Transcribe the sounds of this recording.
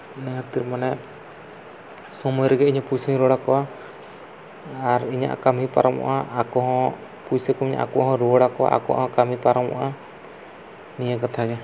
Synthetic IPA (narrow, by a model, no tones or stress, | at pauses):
nɛɦat̪iɾmanɛ | sɔmɔjɔɾɛɡɛiɲɔ̃pujsiiɾɔɽakɔwa | ɾiɲa̰ʔkamipa̰ɾɔmɔ̰ʔaːkɔɦɔ̃ | pujsɛkɔmiɲa̰ʔakɔaɦɔ̃ɾɔɽakɔwa̰ʔa̰kɔʔa̰hɔ̃kamipaɾɔmɔ̰ʔa | nijakat̪ʰaɡɛ